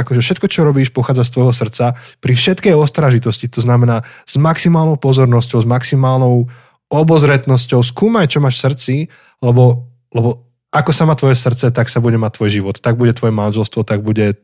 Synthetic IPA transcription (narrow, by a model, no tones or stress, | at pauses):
akɔʒɛfʃɛt̪̚kɔt͡ʃɔɾɔbiːʃpɔxaːd͡zast̪ʋɔjɦɔs̬r̩t͡sapɾifʃɛt̪kɛjɔst̪ɾaʒit̪ɔscit̪ɔznamɛnaːz̥maksimaːlnɔʊpɔzɔɾnɔscɔʊzmaksimaːlnɔʊ | ɔbɔzɾɛt̪nɔscɔʊs̬kuːmajt͡ʃɔmaːʃfsr̩t͡si | lɛbɔ | lɛbɔ | akɔsamaːt̪ʋɔjɛsr̩t͡sɛt̪aksabuɟɛmac̚t̪ʋɔjʒiʋɔt̪t̪ːaɡ̚buɟɛt̪ʋɔjɛmanʒɛlst̪ʋɔt̪aɡ̚buɟɛ